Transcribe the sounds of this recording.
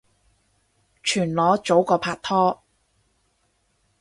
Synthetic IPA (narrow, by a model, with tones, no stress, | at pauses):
t͡ʃʰyː˨˩nlɔː˨˧˥t͡so˨˥wkɔː˧pʰaː˧t̚t̪ʰɔː˥